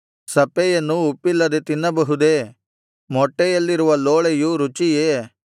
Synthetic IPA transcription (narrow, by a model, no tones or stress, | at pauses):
sɐpːejɐnːuːpːilːɐd̪et̪inːɐbɐɦud̪eː | mɔʈːejɐlːiɾuʋɐloːɭejuɾut͡ʃijeː